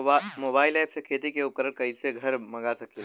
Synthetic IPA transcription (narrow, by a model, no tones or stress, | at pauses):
mobaːɪlajpsekʰet̪ikeukəɾəɾkɐiseɡʱɐɾmɐɡasɐk̚t̪e